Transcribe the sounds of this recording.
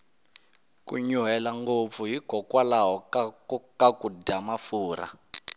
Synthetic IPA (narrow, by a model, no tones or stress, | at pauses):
kṵɲuɦɛlaŋɡop̪fuɦikɔkwalaɦɔkakakudamafuːɾa̰